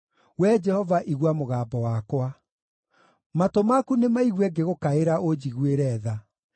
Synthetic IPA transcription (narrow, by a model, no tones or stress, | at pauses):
wɛd͡ʒɛhɔvaʔiɣwamoɣaːbɔwakwa | matomakunemaiɣwɛɡeɣokaeɾaʔod͡ʑiɣweɾɛːða